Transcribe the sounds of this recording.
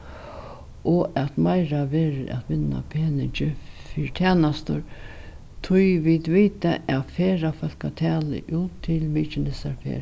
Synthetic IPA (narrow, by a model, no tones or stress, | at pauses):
ʔɔʔɛt̪majɾaʋeːɾɪʔa̰t̪ʋɪnːa̰pʰeːnɪɲt͡ʃɪfiːɾt̪ʰæːnast̪ʊ̰ɾ | t̪ʰʊjʋid̪ʋiːt̪aʔaðfeːɾafœlkat̪ʰɛːlɪ̰ʔuːt̪ʰːɪlmiːt͡ʃɪnɪsaɾfḛːɾ